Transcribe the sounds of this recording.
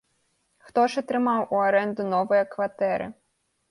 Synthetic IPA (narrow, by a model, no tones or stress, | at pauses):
xt̪ɔʒɪt̪ɾɪmɑwʊɐɾɛnd̪ʊnɔʋɔjɐkʋɐt̪ɛɾɪ̰